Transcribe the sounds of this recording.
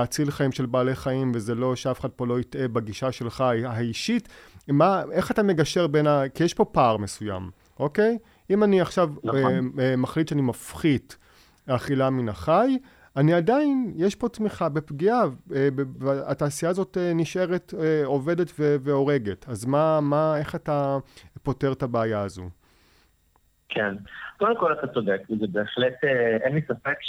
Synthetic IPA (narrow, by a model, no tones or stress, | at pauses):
at͡silχaimʃe̞lbaːle̞χaimvezelo̞ʃeafe̥χad̚po̞lo̞itebaɡiʃaʃe̞lχajɦaiʃitmae̞χatame̞ɡaʃe̞ʁbe̞nakijeʃpo̞paːʁme̞suja̰m | ʔo̞ke̞j | imaniaχʃav | maχlitʃeanimafχit | aχilaminaχaj | aniadainjeʃpo̞tmiχabe̞pɡiaebebataːsijaːzo̞teniʃʔe̞ʁeteo̞ve̞detveveo̞ʁe̞ɡe̞tazmamaeχatapo̞te̞ʁtabeːjaːzṵ | kʰenkodemkolatat͡sodekizebeːχleteenlisafek